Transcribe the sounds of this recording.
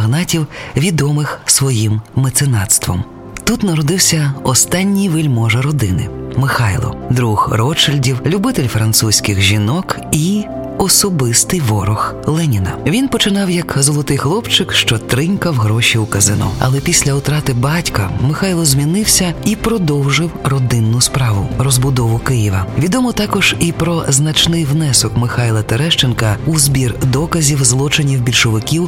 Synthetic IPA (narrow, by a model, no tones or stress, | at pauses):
ɦnɑtʲiwʋʲid̪ɔmɪxsʋɔjimːet̪sɪnɑt̪st̪ʋɔ̰m | t̪ut̪nɐɾɔd̪ɪwsʲɐɔst̪ɑnʲːijʋɪlʲmɔʒɐɾɔd̪ɪnɪ̰mɪxɑjlˠɔ̰d̪ɾuxrɔt͡ʃɪlʲdʲiwlʲubɪt̪ɪlʲfɾɐnt̪susʲkʲɪɣʒʲinɔk | i | ɔsɔbɪst̪ɪjʋɔɾɔxlˠɛnʲinɐʋʲinpɔt͡ʃɪnɑwjɐkzɔlˠɔt̪ɪjxlˠɔpt͡ʃɪkʃt͡ʃɔt̪ɾɪŋkɐwɦɾɔʃʲiukɐzɪnɔ̰ɐ̰lˠɛpʲisʲlʲɐʊt̪ɾɑt̪ɪbɑtʲkɐmɪxɑjlˠɔzmʲinɪwsʲɐipɾɔd̪ɔwʒɪwrɔd̪ɪnːʊspɾɑʋʊrɔzbʊd̪ɔʋʊkɪjiʋɐʋʲid̪ɔmɔt̪ɑkɔʒ̥ipɾɔznɐt͡ʃnɪjwnɛsɔkmɪxɑjlˠɐt̪eɾɛʃt͡ʃenkɐuzbʲird̪ɔkɐzʲiwzlˠɔt͡ʃɪnʲiwbʲilʲʃɔʋɪkʲiw